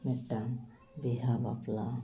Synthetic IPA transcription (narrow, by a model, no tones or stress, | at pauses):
metːam | biɦaba̰pla